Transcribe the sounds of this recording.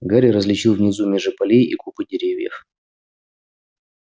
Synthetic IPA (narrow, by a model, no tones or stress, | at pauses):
ɡaɾʲɪɾəzlʲɪt͡ɕilˠvnʲɪzumʲeʐɨpɐlʲejikupɨdʲɪɾʲevʲjɪ̰f